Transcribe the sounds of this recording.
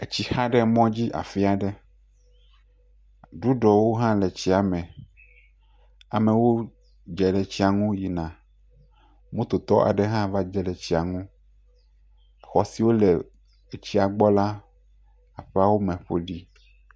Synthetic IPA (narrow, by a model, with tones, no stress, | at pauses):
e˨t͡ɕi˦xã˦ɖɛ˦mɔ̃˦d͡ʑi˦ʔa̰˨fi˦a˨ɖɛ˦ | ɖu˦ɖɔ˨wo˦ɦã˦le˨t͡ɕi˦a˨mɛ̃˨ | a˨mẽ˨wo˦ | d͡ʒɛ˨le˨t͡ɕi˦a˨ŋũ˦ji˨nã˨ | mũ˦t̪o˨t̪ɔ˦ʔa̰˨ɖe˦ɦã˦va˦d͡ʒɛ˦lɛ˨t͡ɕi˦a˨ŋũ˦ | xɔ˨si˨wo˦le˨ | e˨t͡ɕi˦a˨ɡ͡bɔ˦la˦ | a˨ɸe˦a˦wo˦mɛ̃˨ɸe˦ɖi˦